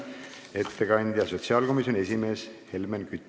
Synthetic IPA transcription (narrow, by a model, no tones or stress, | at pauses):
e̞t̪ːe̞kɑnʲd̪̥ʲjɑso̞t̪siɑːlko̞mis̬jone̞sʲime̞ːshe̞lmenkyt̪ː